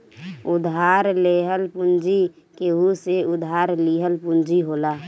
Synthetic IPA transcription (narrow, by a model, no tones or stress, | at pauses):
ʊd̪ʱɦaːɾleːɦəlpʊnd͡ʒi | keɦuseʊd̪ʱɦaɾliːɦəlpʊnd͡ʒiɦoːlaː